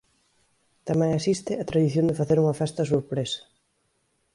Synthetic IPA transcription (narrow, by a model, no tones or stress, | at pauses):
t̪amɛŋasist̪ɪat̪ɾaðiθjõnd̪ɪfaθeɾuŋɐfɛst̪ɐsuɾpɾesɐ̥